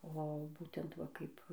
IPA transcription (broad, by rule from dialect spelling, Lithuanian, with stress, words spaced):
oː ˈbuːtʲɛnt ʋɐ ˈkɐɪp